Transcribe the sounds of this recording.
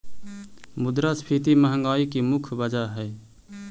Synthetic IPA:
mʊd̪ɾaspʰit̪iməɦəŋɡaːikimʊkʰbəd͡ʒaɦɛː

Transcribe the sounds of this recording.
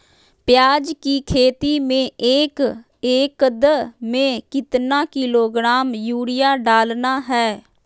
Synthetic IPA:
pɪjaːd͡ʒkiːkʰeːt̪iːmẽːeːk | eːkəd̪əmẽːkɪt̪nãːkɪloːɡɾaːmjuːɽɪjaːɖaːlnaːɦɛː

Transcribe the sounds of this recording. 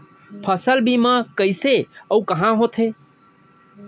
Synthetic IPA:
pʰəsəlbimãkəɪseəukəɦãɦot̪ʰɦe

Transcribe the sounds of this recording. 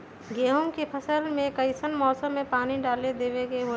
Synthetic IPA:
ɡeːɦomkepʰəsəlmẽkəɪsənmɔːsəmːẽpaːniɖaːled̪eːʋekeɦo

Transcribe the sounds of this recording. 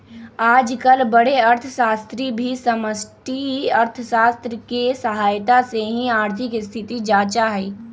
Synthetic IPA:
aːd͡ʒkɐlbɐɽ̤eɐɾt̪ʰəʃaːst̪ɾibʱisɐməsʈiɐɾt̪ʰəʃaːst̪ɾəkesɐɦaːjt̪aseɦĩaːɾt̪ʰɪkɪst̪ʰɪt̪id͡ʒaːt͡ʃaɦɛiː

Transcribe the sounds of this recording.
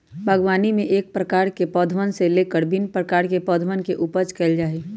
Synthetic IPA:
bʱəɡʋaːnimẽʔeːk̚pɾəkaːɾkepɔːd̪ʱʋənseleːkəɾbɪnpɾəkaːɾkepɔːd̪ʱʋənkeʔuːpəɾt͡ʃkeld͡ʒaːeː

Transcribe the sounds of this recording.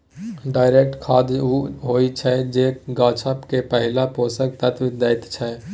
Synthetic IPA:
ɖaːɪɾek̚ʈkʰaːd̪ɦoːit͡ʃʰɛd͡ʒekɡãːt͡ʃʰəpkepəɦɪlapoːsək̚t̪ət̪ʋd̪ɛɪt̪t͡ʃʰɛ

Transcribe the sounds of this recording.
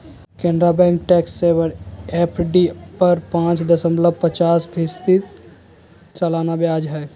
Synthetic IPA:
kẽːɳɖɾabɛ̃ŋk̚ʈɛːksːebəɾepʰɖipəɾpãːt͡ʃd̪əsəmləb̚ʱpət͡ʃaːsbʱɪst̪it̪ | t͡ʃəlaːnabjaːd͡ʒɦɛː

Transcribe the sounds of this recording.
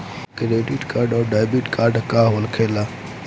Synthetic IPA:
kɾeːɖiʈkaːɾɖɔːɖaːjbiʈkʰaːɾɖkaɦənkʰeːla

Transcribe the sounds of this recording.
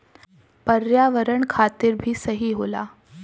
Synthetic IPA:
pəɾjaʋəɾəɳkʰat̪iːɾbʱiːsəɦiːɦola̰

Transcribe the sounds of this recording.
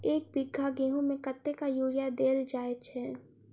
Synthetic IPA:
eːk̚bɪɡʱːaɡeːɦũmẽkɐt̪ːekajuːɽijad̪eːld͡ʒaːet͡ʃʰɛː

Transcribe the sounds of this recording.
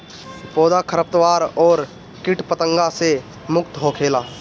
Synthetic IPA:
pɔːd̪akʰəɾəp̚t̪waːɾɔːɾ | kɪʈpət̪ə̃ŋɡase | mʊk̚t̪ɦokʰeːlaː

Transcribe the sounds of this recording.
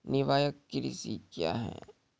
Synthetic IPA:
nɪʋaːjəkːiɾḭsiːkja̰ːɦɛ̰̃ː

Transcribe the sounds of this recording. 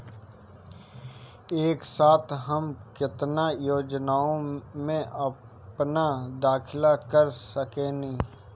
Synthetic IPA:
eːksaːt̪ʰɦɐmkɪt̪najoːd͡ʒnaːõmẽʔɐ | pnad̪aːkʰɪlakɐɾsɐkẽnɐĩː

